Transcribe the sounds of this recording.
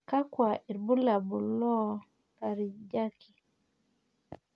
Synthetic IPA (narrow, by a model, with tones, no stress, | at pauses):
ka˦kwa˨ʔi˨ɾbu˦la˨bu˨lɔ˦ | ka˨ɾi˨d͡ʒa˦ki˨